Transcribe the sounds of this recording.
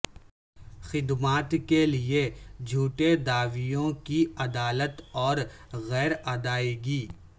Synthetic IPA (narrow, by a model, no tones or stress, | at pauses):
xɪd̪maːt̪kelied͡ʒʱuːʈed̪aːʋijõkiɐd̪aːlət̪ɔːɾɣɛːɾad̪aːiɡiː